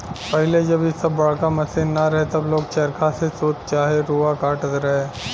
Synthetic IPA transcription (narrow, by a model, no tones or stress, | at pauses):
pɛɦɪled͡ʒɐbɪsɐbːɐɽ̤kamɐsɪnːɐɾɐɦet̪ɐbloːɡ̚t͡ʃɐɾkasesoːt͡ʃt͡ʃaːɦeɾuːakaːʈət̪ɾɐɦeː